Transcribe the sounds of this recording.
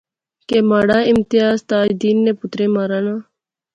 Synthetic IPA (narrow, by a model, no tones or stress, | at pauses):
kemaːɽaːɪmt̪ijaːzt̪aːd͡ʒd̪iːnːepʊt̪ɾemaːɾaːnaː